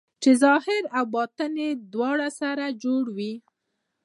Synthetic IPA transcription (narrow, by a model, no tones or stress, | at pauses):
t͡ʃezɑhɪɾawbɑt̪əned̪wɑɽasaɾad͡ʒoɽwi